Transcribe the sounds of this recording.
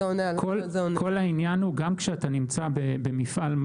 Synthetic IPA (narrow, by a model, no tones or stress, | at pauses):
onekʰolzonkʰo̞lhainjanhuɡamkʃeatanimt͡sabebe̞mifʔalm